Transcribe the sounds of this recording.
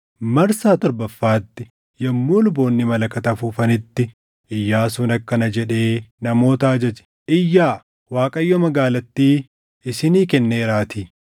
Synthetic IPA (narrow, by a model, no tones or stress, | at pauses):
mɐɾsaːt̪ɔɾbɐfːaːt̪ːɪ | jɐmːuːlʊbo̞ːnːɪmɐlɐkɐt̪ɐfuːfɐnɪt̪ːɪ | ʔɪjːaːsʊnɐkːɐnɐd͡ʒɛᶑe̞ːnɐmo̞ːt̪aːd͡ʒɛd͡ʒɛ̥ | ʔɪjːaː | waːkʼɐjːɔmɐɡaːlɐt̪ːiː | ɪsɪniːkɛnːeːɾaːt̪iː